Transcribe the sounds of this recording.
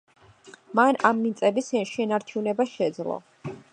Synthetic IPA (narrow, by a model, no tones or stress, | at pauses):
manamːint̪sʼɛbisɛʃɛnaɾt͡ʃʰunɛbaʃɛd̪zlˠɔ̰